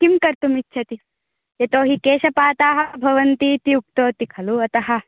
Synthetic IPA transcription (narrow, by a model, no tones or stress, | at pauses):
kimkɐɾt̪umitːʃʰɐt̪i | jɐt̪oːɦikeːʃɐpaːt̪aːɦɐbʱɐʋɐnt̪it̪iuk̚t̪oːt̪ikʰɐluɐt̪ɐɦɐ̆